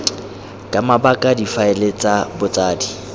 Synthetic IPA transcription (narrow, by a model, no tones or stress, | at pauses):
kʼamabakʼadifaɛlet͡sʼabʊt͡sʼaːdi